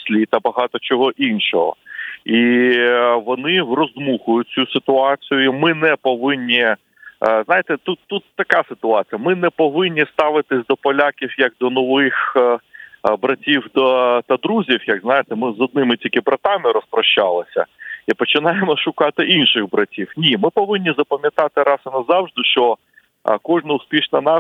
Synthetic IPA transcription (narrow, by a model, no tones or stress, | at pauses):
sʲlʲit̪ɐbɐɦɑt̪ɔt͡ʃɔɦɔʔinʃɔɦɔ̰i | ʋɔnɪwrɔzmuxʊjʊt͡sʲusɪt̪ʊɑt͡sʲijʊimɪnɛpɔʋɪnʲːi | znɑjet̪ɛt̪ut̪ːut̪ːɐkasɪt̪ʊɑt͡sʲijɐmɪnɛpɔʋɪnʲːist̪ɑʋɪt̪ɪsʲd̪ɔpɔlʲakʲiwjɐk̚d̪ɔnɔʋɪx | bɾɐtʲiwd̪ɔt̪ɐd̪ɾuzʲiwjɐɡznɑjet̪ɛmɪzɔd̪̚nɪmɪtʲilʲkɪbɾɐt̪ɑmɪɾɔspɾɔʃt͡ʃːɑlˠɪsʲɐ̰ipɔt͡ʃɪnɑjemɔʃʊkɑt̪ɪʔinʃɪɣbɾɐtʲiwnʲimɪpɔʋɪnʲːizɐpɐmʲjɐt̪ɑt̪ɪɾɑsɪnɐzɑwʐd̪ɪʃt͡ʃɔ | kɔʒnɐʊspʲiʃnɐnɑ